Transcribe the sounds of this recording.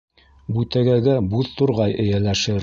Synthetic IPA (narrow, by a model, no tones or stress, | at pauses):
bʉt̪æɡæɡæbuðt̪uɾʁɑjʔɘ̆jælæʃɘɾ